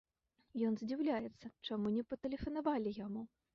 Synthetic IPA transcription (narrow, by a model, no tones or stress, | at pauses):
jɔnzʲd͡zʲiwlʲajɛt̪sːɐt͡ʂamunʲɛpɐt̪ɛlʲɛfɐnavalʲijamu